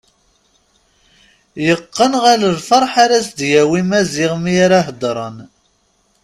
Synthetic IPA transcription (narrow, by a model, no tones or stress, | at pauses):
jəqːənʁaləlfɑɾˤħaɾæsd̪jæwimæzɪʁmijaɾaɦd̪ɾˤən